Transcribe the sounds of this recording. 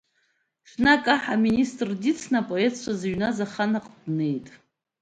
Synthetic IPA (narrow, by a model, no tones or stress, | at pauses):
ʂnakʼaħaministʼrdit͡sʰnapʼoetʰt͡ʃʷʰazaɥnazaχanaqʼdne̞jtʼ